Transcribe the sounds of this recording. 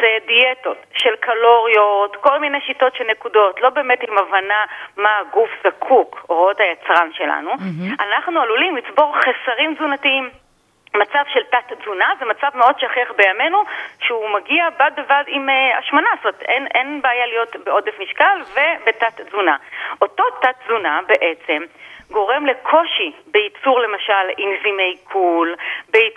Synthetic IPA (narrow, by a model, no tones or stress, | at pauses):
zedieto̞tʃe̞lkʰalo̞ʁio̞tko̞lmine̞jʃito̞tʃelnekudo̞tlo̞be̞ːmetimavanamaɡufzakʰukoʁotajat͡sʁanʃe̞la̰nuanaχnualulimlit͡sbo̞ʁχesaʁimzunatiim | mat͡savʃeltatzunazemat͡savmeo̞d̚ʃeaχeχbejame̞nuʃeumaɡiabad̚bevadima̰ʃmanasttenʔenbeːjalijo̞tbeo̞defmiʃkalve̞be̞tatzunaʔo̞to̞tat̚zunabeʔe̞t͡se̞mɡo̞ʁe̞mle̞kʰo̞ʃibeit͡suʁle̞maʃalimzime̞jkʰulbei